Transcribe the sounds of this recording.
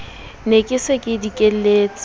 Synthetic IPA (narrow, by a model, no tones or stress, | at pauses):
nekʼɪsɪkʼɪdikʼel̩leːt͡sʼ